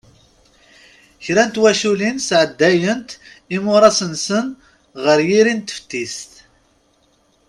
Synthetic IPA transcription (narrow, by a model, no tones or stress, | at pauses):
çɾænt̪wæʃulinsʕəd̪ːæjənt̪ | imʊɾˤɑsənsən | ʁəɾjiɾint̪ːə̥ft̪ːist̪